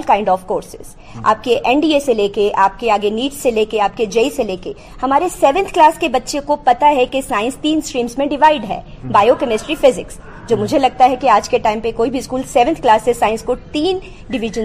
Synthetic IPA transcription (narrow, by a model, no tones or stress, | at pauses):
lkãɪ̃ɳɖɔːfkoːɾsɪ̥̰z̥ | a̰ːp̚keʔɛ̃ɳɖiːeseleːkeʔaːp̚keaːɡeniːʈsːeleːkeaːp̚ked͡ʒeːiseleːke | hɐmaːɾesɛːʋə̃nt̪ʰklaːskebɐtːʃekopɐt̪aɦɛkesaːɪ̃nst̪iːnskɾiːmsmẽɖɪʋaːɪɖɦɛ̰ːbaːjokɐmɪsʈɾifɪzɪks | d͡ʒoːmʊd͡ʒʱelɐɡ̚t̪aɦɛkiaːd͡ʒkeʈaːɪ̃mpekoːibʱiɪskuːlsɛːʋə̃nt̪ʰklaːsːesaːɪ̃nskot̪iːn | ɖɪʋɪʒə̃n